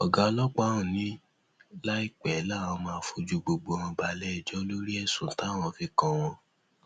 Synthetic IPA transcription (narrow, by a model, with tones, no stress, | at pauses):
ɔ˨ɡa˧˦lɔ˦k͡pa˦ũ˨nĩ˦ | la˦i˦k͡pɛ˨˦lã˦˨ɔ̃˧mãː˧fo˧d͡ʒu˦ɡ͡bo˨ɡ͡bõ˨˦˧ɔ̃˧ba˧lɛ˦ɛ˨d͡ʒɔ˨˦lo˦ɾi˦ɛ˦˨sũ˨˦ta˦w̃ɔ̃˦˨fi˨˦kã˦w̃ɔ̃˧